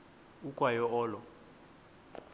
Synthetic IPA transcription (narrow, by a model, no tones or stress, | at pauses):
ukʼwajɔɔːlɔ